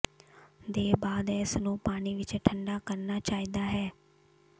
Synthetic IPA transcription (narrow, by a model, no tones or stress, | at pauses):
d̪eːbaːd̪ɛːɪsnũːpaːniːʋɪt͡ʃʈʰəɳɖaːkəɾnaːt͡ʃaːiːd̪aːɦɛː